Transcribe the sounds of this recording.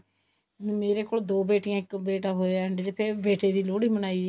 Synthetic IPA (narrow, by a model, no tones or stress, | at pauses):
meːɾeːkoːld̪oːbeːʈɪjãːɪkbeːʈaːɦoːeaɳɖd͡ʒepʰɪɾbeːʈeːd̪iːloːɽiːmənaːiː